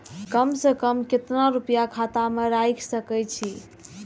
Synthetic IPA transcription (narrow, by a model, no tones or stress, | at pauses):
kəmsəkəmket̪naɾupjakʰat̪ameɾajkʰsəkɛt͡ʃʰi